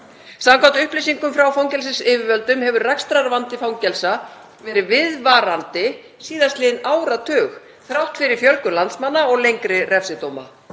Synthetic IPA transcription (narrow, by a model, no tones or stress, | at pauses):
samkʰvawt̪ʏhplejsiŋkʏmfɾawfawŋcɛls̬ɪsɪːvɪvœlt̪ʏmhɛvʏɾrakst̪ɾaɾvant̪ɪfawŋcɛlsa | vɛːɾɪvɪðvaɾant̪ɪ | siːðaslɪðɪnaːwɾat̪ʰœːx | θɾawht̪fɪɾɪɾ̥fjœlkʏlant̪smanːaɔɣlejŋkɾɪrɛfsɪt̪oːwma̰